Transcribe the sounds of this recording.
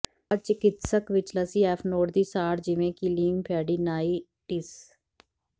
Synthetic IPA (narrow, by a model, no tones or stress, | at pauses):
ət͡ʃɪkɪt̪səkʋɪt͡ʃləsiːɛːpʰnoːʈd̪iːsaːɽd͡ʒɪʋẽːkiliːŋpʰɛːɽiːnaːiː | ʈɪs